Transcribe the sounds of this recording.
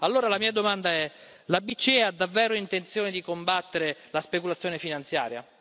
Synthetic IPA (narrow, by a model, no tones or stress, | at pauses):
alːoːɾalamiːad̪omand̪aɛ | labit͡ʃːiad̪ːavːɛːɾoint̪ent̪sjoːned̪ikombat̪ːeɾelaspekulat̪sjoːnefinant̪sja̰ːɾja̰